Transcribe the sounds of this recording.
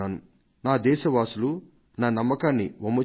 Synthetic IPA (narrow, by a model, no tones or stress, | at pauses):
aːnu | naːd̪ɛːʃɐʋaːsulu | naːnɐmːɐkaːnːiʋomɐ